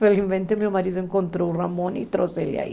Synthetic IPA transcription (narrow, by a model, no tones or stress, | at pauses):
felizmẽnt̪ɪmewmaɾiðʊẽŋkõnt̪ɾowramõnḭt̪ɾoselɪa̰ḭ